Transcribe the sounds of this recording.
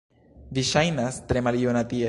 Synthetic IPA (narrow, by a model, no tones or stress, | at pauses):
viʃajnast̪ɾemalijonat̪ie